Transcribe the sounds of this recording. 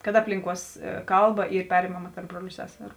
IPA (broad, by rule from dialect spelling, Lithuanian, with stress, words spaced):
kɐt ˈɑːpʲlʲɪŋˌkuɔs ˈkɐlˠˌbɐ ˈiːr ˈpʲæːrʲɪmɐmɐ tɐrp ˈbruɔlʲʊ ˈsʲæːsʲɛrʊ